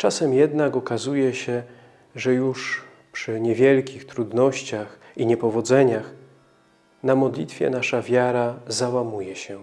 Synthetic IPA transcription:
t͡ʂasɛmjɛd̪nakɔkazujɛɕɛ | ʐɛjuʂ | pʂɘɲɛvʲjɛlkʲixt̪ɾud̪nɔɕt͡ɕax | iɲɛpɔvɔd̪zɛɲax | namɔd̪lʲit̪fʲjɛ̰naʂavʲjaɾazawamujɛɕɛ

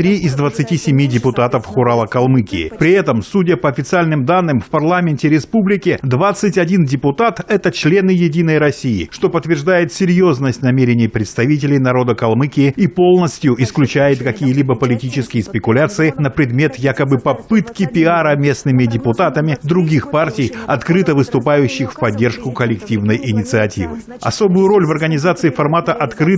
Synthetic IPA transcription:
t̪ɾʲiɪzd̪vət̪sɨtʲisʲɪmʲidʲɪpʊt̪at̪əfxʊɾalˠəkɐlˠmɨkʲɪ̰ːɪ̰pɾʲɪɛt̪əmsudʲəpəɐfʲɪt̪sɨalʲnɨmd̪anːɨmfpɐrlˠamʲɪnʲtʲɪɾʲɪspublʲɪkʲɪd̪vat̪sɨtʲɐdʲindʲɪpʊt̪at̪ɛt̪ət͡ɕlʲe̞nɨjɪdʲinəjɾɐsʲijɪ̰ʂt̪o̞pət̪ːvʲɪrʐd̪ajɪt̪sʲɪɾʲjo̞znəsʲtʲnɐmʲeɾʲɪnʲɪjpɾʲɪt̪st̪ɐvʲit̬ʲɪlʲɪjnɐɾo̞d̪əkɐlˠmɨkʲɪɪipo̞lˠnəsʲtʲjʊʔɪsklʲʉt͡ɕæjɪt̪kɐkʲijəlʲibəpəlʲɪtʲit͡ɕɪskʲɪjəspʲɪkʊlʲat̪sɨɪnəpɾʲɪd̪mʲe̞t̪jakəbɨpɐpɨt̪kʲɪpʲɪaɾəmʲe̞snɨmʲɪdʲɪpʊt̪at̪əmʲɪd̪ɾʊɡʲixpartʲɪjɐt̪kɾɨt̪əvɨst̪ʊpajʉɕːɪxfpɐdʲːe̞rʂkʊkəlʲɪktʲivnəjʔɪnʲɪt̪sɨɐtʲḭvɨ̰ | ɐ̰so̞bʊjʊɾo̞lʲvɐrɡənʲɪzat̪sɨɪfɐrmat̪əʔɐt̪kɾɨ

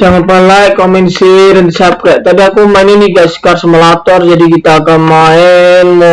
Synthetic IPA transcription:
d͡ʒaŋanpəlajkomɛnsiɾɛnt̪sap̚kɛt̪adiakumaɪniniɡaskarsəməlat̪ɔrd͡ʒadikit̪aːɡanmaɪnm

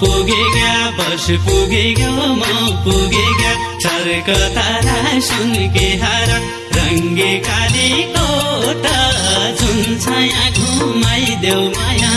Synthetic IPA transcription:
puɡeɡjabɐspuɡeɡomɐwpuɡeɡja | t͡ʃʰɐɾkət̪aɾasunkeɦaɾã | ɾɐŋɡekalikot̪ɐd͡ʒunt͡ʃʰajãɡʱumajid̪ewmajã

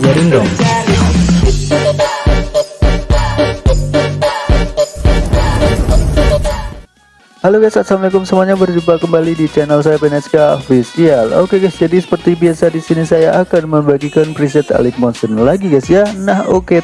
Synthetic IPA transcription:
məɾindɔŋ | haloɡasasamlɛkʊmsəmuaɲabərd͡ʒumpakəmbalidit͡ʃanəls̬ajapɛnɛskaofisialo̰keɡasd͡ʒadisə̥pərt̪ibiasadisinisajaʔːkanməbaɡikanpɾis̬ɛt̪a̰lɪk̚mɔnsənlaɡiɡasjanahoke

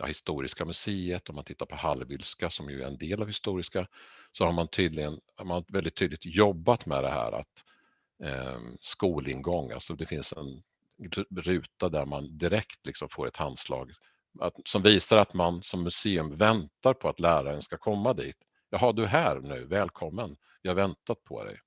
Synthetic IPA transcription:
a̰hɪst̪uːɾɪ̰skamɵseːət̪ɔmant̪ɪt̪ːaɾpʰɔhalvʏlskasɔmjɵ̰æ̰ɾɛ̰nd̪eːlavhɪst̪uːɾɪskasɔhaɾmant̪ʰyːd̪lɪɡənamanvɛld̪ɪt̪ʰːyːd̪ɪɡ̚t̪jɔbːat̪mɛ̰d̪ɛ̰hæ̰ːɾa̰t̪ | skuːlɪnɡɔŋːa̰lsɔd̪ɛfɪnsɛn | ɾʉ̟ːt̪ad̪æɾmand̪ɪɾɛkt̪lɪksɔmfoːɾɛ̰t̪ʰanslɑ̰ːɡ | asɔmviːsaɾat̪mansɔmːɵseːɵmvɛnt̪aɾpʰɔat̪læːɾaɛnskakʰɔmːad̪iːt̪ | jɑːɦɑɖɵɦæːɾnʉ̟ːvɛːlkʰɔmːən | vɪhaɾvɛnt̪at̪̚pʰɔ̰d̪ɛ̰j

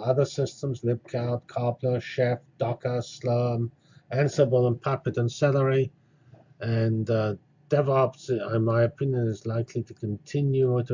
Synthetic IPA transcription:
ʌðə˞sɪstə̃mzlɪp̚kʰaʊd̚kʰɑɹpləʃɛfd̥ɑkəsləm | æ̃nsəbəlˠə̃npʰapɨdə̃nsɛlˠəɹi | ɨ̃nə | d̥ɛvɛlˠəpsəmaɪɨpʰɪ̃njə̃nɪzlaɪkʰliɾʰəkʰə̃ntʰɪ̃njuɾə

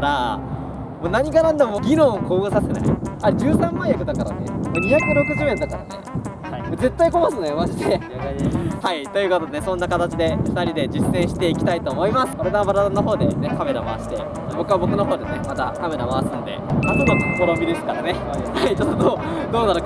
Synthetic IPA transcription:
ɾa | moːnaɲ̟iɡanãnd̪amoːɡʲinõ̞ɰoko̞ːbɯsase̞na̰iaed͡ʑɨːsãmːãɰ̃jakɯd̪akaɾa̰ne̞̰moɲ̟içakɯɾo̞kɯ̟ʑimẽnd̪akaɾa̰ne̞̰ | haimoze̞t̪ːaiko̞masɨnd̪ejomaʑit̪eaihait̪o̞jɯ̟kot̪o̞d̪enesõ̞nːakat̪at͡ɕid̪e̞kɯ̥t̪aɾʲid̪e̞d͡ʑisːẽ̞ɰ̃ɕi̥t̪e̞ikʲi̥t̪ait̪o̞ːmo̞imasɨ̥koɾed̪abaɾat̪ono̞ɦo̞ːd̪e̞ne̞kame̞ɾama̰βaɕi̥t̪e̞ | dabo̞kɯβabo̞kɯ̟noɦo̞ːd̪e̞nemat̪akame̞ɾamaβasɨ̃nd̪ḛmatod̪okkoɾõmɡʲiɾesɨ̥kaɾa̰ne̞ | hait͡ɕot̪ːod̪o | d̪o̞ːnaɾo

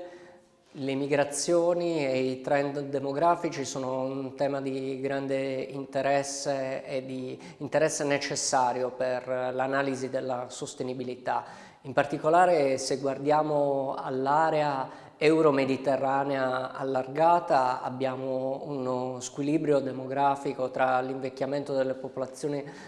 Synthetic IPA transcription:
lemiɡɾat̪sːjoːnieit̪ɾɛnd̪d̪emoɡɾaːfit͡ʃisoːnount̪ɛːmad̪iɡɾand̪eint̪eɾɛsːeed̪i | int̪eɾɛsːenet͡ʃesːaːɾjoperlanaːlizid̪elːasost̪enibilit̪a̰ | impart̪ikolaːɾeseɡward̪jaːmoa̰lːaːɾea | ɛwɾomed̪it̪erːaːneaa̰lːarɡaːt̪aa̰bːjaːmounskwilibɾjod̪emoɡɾaːfikot̪ɾaliɱvekʲːjament̪od̪elːepopolat̪sːjoːni

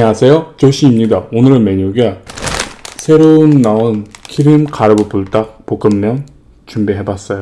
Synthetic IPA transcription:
ɲeɦasʰe̞jot͡ɕoɕʰiːmɲidaonɯɾɯnmeɲuɡe | sʰe̞ɾoɯnːaonkʰiɾimkaɾɯbopuɭt͈ak̚pok͈ɯmːjʌŋ | t͡ɕumbiɦe̞bas͈ʌjo

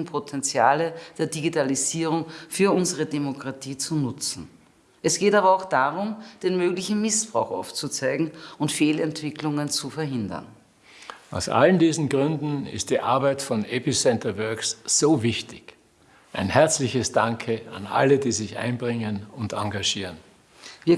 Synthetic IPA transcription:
n̩pʰotʰɛnt͡sja̰ːləd̥eːɐdiɡitaliziːʁʊŋfyːɐʔʊnzəʁədemokʁ̥atʰiːt͡sunʊt͡sn̩ | ʔɛsɡ̥eːtaːβɐaʊxd̥aːʁʊmd̥eːnmøːɡlɪçn̩mɪsb̥ʁa̰ʊxa̰ʊft͡sut͡sæɪɡŋ̩ʊntfeːlɛntv̥ɪklʊŋənt͡sufɛɐɦɪndɐ̰n | ʔaʊsʔa̰ləndiːzn̩ɡʁʏndn̩ɪ̰std̥iːʔa̰ɐbaɪtfɔnɛpisɛntɐvœɐksz̥oːvɪçtɪ̥ç | ʔaɪnhɛɐt͡slɪçəsd̥aŋkʰəa̰nʔa̰lədiːzɪçʔã̰ɪnbʁɪŋənʊntãŋɡaʒiːʁən | viːɐ

